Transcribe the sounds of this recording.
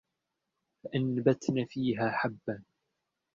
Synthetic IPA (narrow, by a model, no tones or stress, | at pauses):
faʔanbat̪naːfiːɦaːħabːan